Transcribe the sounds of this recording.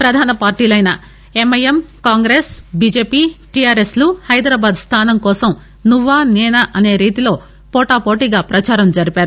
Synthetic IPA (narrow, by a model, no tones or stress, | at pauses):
pɾɐd̪ʱaːnɐpaːɾʈiːlɐjnɐ | emɐjemkaːŋɡɾeːsbiːd͡ʒeːpiːʈiaːɾesluhɐjd̪ɾaːbaːd̪st̪ʰaːnɐmkɔːsɐm | nuʋaːneːnɐʔɐne̞ːɾiːt̪ilo̞ː | pɔːʈaːpoːʈiɡaːpɾɐt͡ʃaːɾɐmd͡ʒɐɾipaːɾu